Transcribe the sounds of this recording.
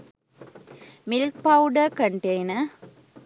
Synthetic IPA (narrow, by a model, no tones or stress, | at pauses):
mɪlk̚pɐʊɖɐkɐɳʈeɪnɐ